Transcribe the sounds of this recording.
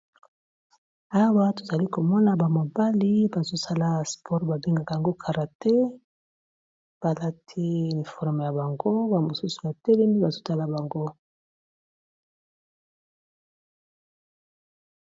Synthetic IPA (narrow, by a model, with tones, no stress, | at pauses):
a˦wa˦to˨za˨li˦ko˨mɔ˦na˨ba˨mo˨ba˦li˦ba˨zo˦sa˦la˦spʰɔ˦ʁba˨bi˦ŋɡa˨ka˨ja˨ŋɡo˦kʰa˨ʁa˨tɛ˦ | b̥a˨la˦tʰi˦˨ni˨fɔ˦ʁme˨ja˨ba˨ŋɡo˦ba˨mo˨su˦su˨ba˨tɛ˦lɛ˦mi˦ba˨zo˦ta˦la˨ba˨ŋɡo˦